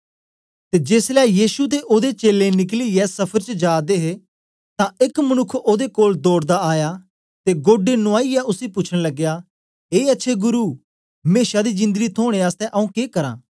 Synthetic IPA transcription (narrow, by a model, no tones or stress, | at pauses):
t̪eːd͡ʒeːslɛjiːsut̪̬eʔoːd̪et͡ʃeːlenɪkliɛsɐpʰəɾt͡ʃəd͡ʒaːd̪eɦe | t̪ãekmɐnʊkʰːoːd̪ekoːld̪oːɽd̪aaːja | t̪eɡoːɖenʊaːijaʔʊsipʊt͡ʃʰɽ̃lɐɡejaː | eːɐtːʃʰeɡʊɾuː | meːʃad̪izɪ̃nd̪əɡit̪ʰoːɽ̃eaːst̪ɛʔɐũːkeːkɐɾã̰ː